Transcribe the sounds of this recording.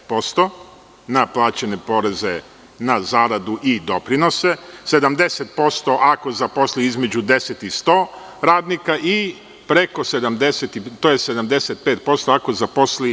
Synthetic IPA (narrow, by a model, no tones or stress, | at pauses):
po̞st̪o̞ | naplˠaːt͡ɕene̞po̞ːɾe̞ze̞ | nazaːɾad̪uʔid̪o̞pɾino̞se̞se̞d̪amd̪e̞set̪̚po̞st̪o̞ʔako̞zapo̞sliizme̞d͡ʑud̪e̞set̪ist̪oː | ɾaːd̪nikaʔi | pɾe̞ko̞se̞d̪amd̪e̞set̪it̪ojese̞d̪amd̪e̞set̪̚peːt̪̚po̞st̪oakozapo̞sli